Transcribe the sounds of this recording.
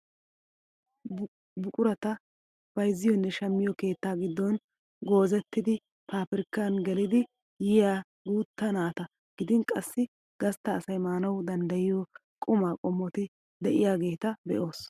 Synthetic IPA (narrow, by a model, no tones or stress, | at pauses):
bʊkʼʊɾɐt̪ɐ | b̥ɐjzːɪjɔnːɛʃɐmːɪjɔke̞ːt̪ːaːɡɪd̪ːɔn | ɡo̞ːzɛt̪ːɪd̪ɪ | pʰaːpɪɾɪkːanɡɛlɪd̪ɪ | jɪjaː | ɡuːt̪ːɐnaːt̪ɐ | ɡ̥ɪd̪ɪnkʼɐsːɪ | ɡ̥ɐst̪ːɐːsɐjmaːnɐwd̪ɐnd̪ɐjɪjɔ | kʼʊmaːkʼɔmːɔt̪ɪ | d̪ɛʔɪjaːɡe̞ːt̪ɐbɛ̰ʔo̞ːs